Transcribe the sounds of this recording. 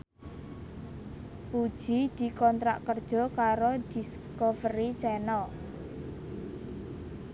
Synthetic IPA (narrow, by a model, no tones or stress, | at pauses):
pud̥ʒ̥i̤d̪̥i̤kɔnt̪ɾa̰ʔkərd̥ʒ̥ɔ̤kaɾod̪̥i̤skɔvərit͡ʃɛnəl